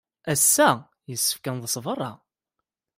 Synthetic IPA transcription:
æsːæ | jəsːə̥fkænðəsˤvərˤːɑ

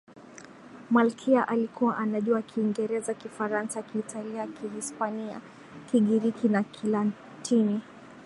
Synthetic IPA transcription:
malkʰiaʔalikuwaʔanaʄuakʰiːŋɡɛɾɛzakifaɾansaakiːtʰaliakʰihispania̰ | kiɠiɾikinakʰilan | tʰini

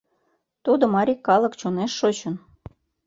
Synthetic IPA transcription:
t̪ud̪ŏmɑɾʲikːɑlˠɤ̆kt͡ɕoneʃːot͡ɕə̆n

